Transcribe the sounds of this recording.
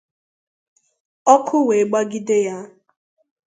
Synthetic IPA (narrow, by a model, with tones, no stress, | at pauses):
ɔ˦kʰʊ˦we˨ɡ͡ba˦ɡi˦dɪ˦ja˦